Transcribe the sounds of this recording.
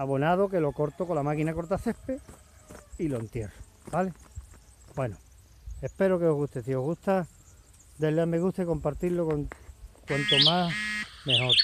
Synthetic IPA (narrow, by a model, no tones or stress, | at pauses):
aβonaðoke̞lo̞ko̞ɾt̪okolamakinako̞ɾt̪̬aθe̞hpe | ilo̞ent̪je̞ro̥ | b̥ale̞ | bwe̞no | ehpe̞ɾokeo̞ɦɣuht̪esio̞ɦɣut̪a | d̪eleameɣuht̪eko̞mpaɾt̪ilokoŋkwant̪omasmeɦo̞ɾ